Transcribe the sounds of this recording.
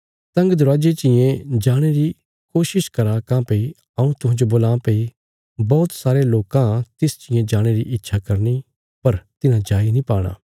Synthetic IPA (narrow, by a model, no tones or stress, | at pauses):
sɐ̃ŋɡd̪ʊɾaːd͡ʒet͡ʃɪ̃jẽd͡ʒaːɽ̃eɾi | koːʃɪʃkɐɾakãpei | ɐũt̪ʊɦãd͡ʒoboːlãːpei | bɔːt̪saːɾeloːkãt̪ɪst͡ʃɪ̃jẽd͡ʒaːɽ̃eɾiʔɪtːʃʰakɐɾni | pɐɾt̪ɪnãd͡ʒaːinĩpaːɽ̃a̰ː